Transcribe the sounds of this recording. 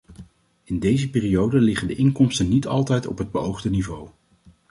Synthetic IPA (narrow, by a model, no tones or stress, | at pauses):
ɪndejzəpɪːriowdəlɪχəndəʔɪŋkɔmstənːitɑ̰lˠtɛjtɔ̰pɦəd̚bəowχdənivow